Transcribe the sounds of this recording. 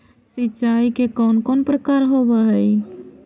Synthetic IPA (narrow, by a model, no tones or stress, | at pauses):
siːt͡ʃaikekɔnkonpɾəkaɾɦobəɦəj